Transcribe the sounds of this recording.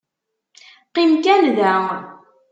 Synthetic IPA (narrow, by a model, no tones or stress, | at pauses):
qimkænðæ